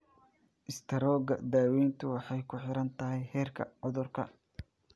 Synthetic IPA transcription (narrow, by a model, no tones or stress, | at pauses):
ʔɪst̪ʰɐɾɔːɡɐ̰d̪aːwɛjnt̪ʰʊwɑħɑjkʰʊħɪɾɐnt̪ʰɐɦɛjhɛːrkʰɐ̰ʕʊðʊrkʰɐ̰